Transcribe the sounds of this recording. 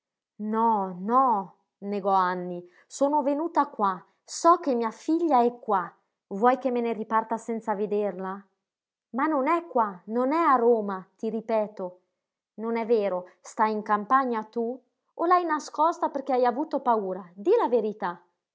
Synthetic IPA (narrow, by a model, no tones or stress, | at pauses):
nɔnɔ | neɡɔanːi | soːnovenuːt̪akwa | sɔkːemːiafiʎːaɛkːwa | vwɔjkemːeneripart̪asɛnt̪saved̪erla | manːonɛkːwanonɛaɾoːmat̪iripɛːt̪o | nonɛveːɾost̪ajiŋkampaɲːat̪u | olajnaskɔst̪aperk̟eajavut̪opauːɾad̪ilaveɾit̪a